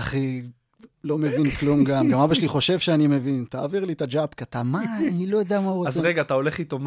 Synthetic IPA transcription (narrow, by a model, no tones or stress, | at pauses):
aχi | lo̞me̞vinklumɡamɡamabaʃeliχo̞ʃe̞vʃeanimevint̪aːviʁlit̪ad͡ʒapkat̪amanilo̞jod̪amauoazʁeɡaːt̪ao̞le̞χit̪om